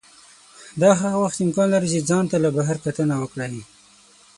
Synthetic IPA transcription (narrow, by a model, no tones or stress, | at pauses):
d̪ɑɦaɣawaxt̪ɪmkɑnlaɾit͡ʃed͡zɑnt̪alabaɦaɾkat̪ənawəkɽaji